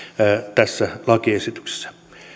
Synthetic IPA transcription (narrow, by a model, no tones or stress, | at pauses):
t̪æsːælɑkiesit̪y̥kse̥sːæ̥